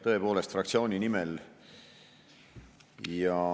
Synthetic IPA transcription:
t̪ɤ̞e̞po̞ːlest̪frɑk̚tsio̞ːnʲinimɛl | jɑ

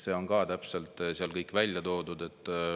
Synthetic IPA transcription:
se̞ːo̞nkɑːt̪æpse̞lt̪siɑlkɤjkːˑvælʲjɑt̪o̞ːd̪ud̪e̞t̪ːˑ

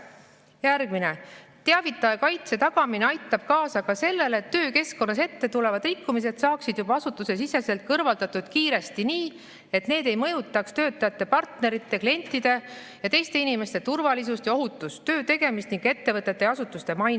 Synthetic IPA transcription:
jærɡ̥mine̞t̪eɑvit̪ːˑɑjɑkɑjt̪se̞t̪ɑɡ̥ɑmineɑjt̪ːˑɑb̥kɑːsɑkɑse̞lːe̞lːt̪ːø̞ːke̞sko̞nːɑs̬e̞t̪ːe̞t̪ule̞vɑd̪rikːumis̬e̞d̪̥sɑːksid̪̥jub̥ɑɑsut̪ːˑuse̞sise̞se̞lt̪̚kɤrvɑld̪ɑt̪ːˑud̪̥kiːɾe̞st̪iniː | e̞t̪ne̞ːd̪e̞jmɤ̞jut̪ːˑɑkst̪ø̞ːt̪ːˑɑjɑt̪ːe̞pɑrt̪ne̞ɾit̪ːe̞klie̞nʲt̪ːˑid̪̥e̞ | jɑt̪e̞jst̪e̞inime̞st̪e̞t̪urvɑlis̬ust̪jɑo̞ɦut̪ːˑust̪ːø̞ːt̪e̞ɡ̥e̞mist̪niŋɡe̞t̪ːe̞vɤt̪ːˑet̪ːˑe̞ɑsut̪ːˑust̪e̞mɑjn

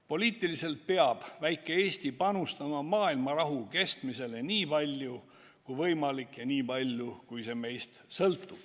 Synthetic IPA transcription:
po̞liːt̪ːˑilise̞lt̪̚peɑb̥væjkːˑe̞eːst̪ipɑnust̪ɑmɑmɑːilmɑɾɑɦuke̞st̪mise̞le̞niːpɑlʲju | kujvɤjmɑlikːjɑniːpɑlʲjukujse̞me̞jst̪sɤlt̪ːˑub̥

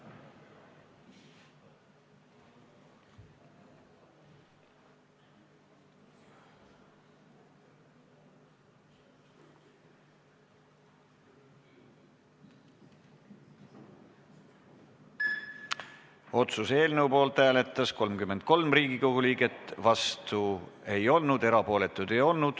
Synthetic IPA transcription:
o̞t̪suse̞ːlneupo̞ːlt̪hæːle̞t̪ːˑɑsko̞lmkymːe̞nd̪̥̚ko̞lmriːɡiko̞ɡ̥uliːɡet̪ːˑvɑst̪ue̞jo̞lnud̪e̞ɾɑpo̞ːle̞t̪ːˑud̪̥ejo̞lnud̪̥

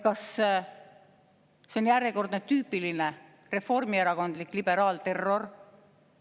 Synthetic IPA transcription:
kɑs | se̞o̞njæɾeko̞rd̪net̪yːpiline | re̞fo̞rmieɾɑko̞nd̪likːˑlib̥e̞ɾɑːlt̪e̞rːo̞r

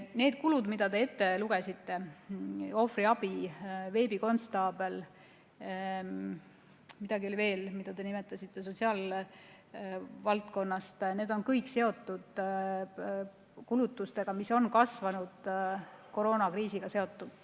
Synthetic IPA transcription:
ne̞ːd̪̥̚kulud̪mid̪̥ɑd̪e̞e̞t̪ːe̞luɡ̥e̞sit̪ːe̞ | o̞friɑb̥ive̞ːbiko̞nst̪ɑːbe̞l | mid̪̥ɑɡiolive̞ːlmid̪̥ɑd̪e̞nime̞t̪ːˑɑsʲit̪ːˑe̞s̬o̞t̪ʲsiɑːl | vɑlt̪ko̞nːɑst̪ne̞ːd̪̥o̞nkɤjkse̞o̞t̪ːud̪̥ | kulut̪ːˑust̪e̞ɡ̥ɑmiso̞nkɑsvɑnud̪̥ko̞ɾo̞ːnɑkriːsiɡ̥ɑse̞o̞t̪ːud̪̥

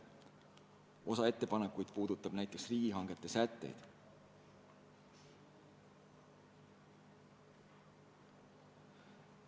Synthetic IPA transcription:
ʔo̞sɑe̞t̪ːepɑnekːujd̪̥̚puːd̪̥ut̪ːˑɑb̥næjt̪ːˑeksriːɡ̥iɦɑŋɡ̥et̪ːˑe̞sæt̪ːe̞̰jd̪̥

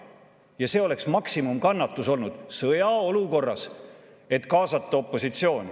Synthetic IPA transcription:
jɑse̞ːo̞le̞ksmɑksimumkɑnːɑt̪ːˑuso̞lnud̪̥sɤjɑo̞luko̞rːɑs | e̞t̪kɑːsɑt̪ˑːɑopˑːo̞sit̪sio̞ːnʲi

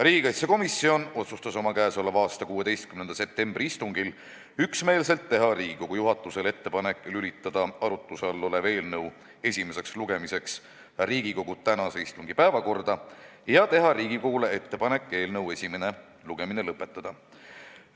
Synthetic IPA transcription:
riːɡ̥ikɑjt̪seko̞misːio̞no̞t̪sust̪ɑso̞mɑkæːso̞lːɑvɑːst̪ɑkuːe̞d̪e̞jst̪̚kymnend̪ɑse̞p̚t̪e̞mb̥riist̪uŋɡil | yksme̞ːlse̞lt̪ːe̞ɦɑɾiːɡiko̞ɡ̥ujuɦɑt̪ːˑusele̞t̪ːe̞pɑne̞kːˑlylit̪ːˑɑd̪̥ɑɑɾut̪ːˑusɑlːoleve̞ːlnɤw | e̞sʲime̞se̞ksluɡ̥e̞mise̞ks | riːɡ̥iko̞ɡ̥ut̪ænɑse̞ist̪uŋɡ̥ipæevɑko̞rd̪̥ɑjɑt̪e̞ɦɑɾiːɡikoɡ̥ulee̞t̪ːe̞pɑne̞kːˑe̞ːlnɤwe̞sʲime̞ne | luɡ̥e̞minelɤpːˑe̞t̪ːˑɑd̪̥ɑ

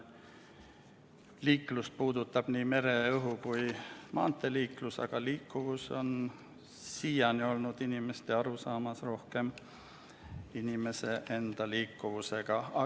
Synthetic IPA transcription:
liːkˑlust̪̚puːd̪̥ut̪ːˑɑb̥niːme̞ɾe̞ɤɦukujmʔɑ̰ːnt̪ːˑeliːklusɑ̰ɡ̥ɑliːkˑːuvuso̞̰n | siːjɑnio̞lnud̪̥inʲime̞st̪e̞ɑɾusɑːmɑsro̞hke̞m | inʲime̞se̞ʔe̞nd̪̥ɑliːkːuvuse̞ɡ̥ɑɑ

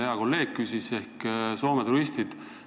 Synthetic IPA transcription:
heɑko̞lːe̞ːɡ̥̚kysise̞hkso̞ːmet̪uɾist̪id̪̥

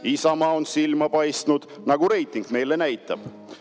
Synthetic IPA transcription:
isɑmɑo̞nsilmɑpɑjst̪nud̪̥ | nɑɡ̥uɾe̞jt̪ːˑiŋɡ̥me̞jle̞næjt̪ːˑɑb̥

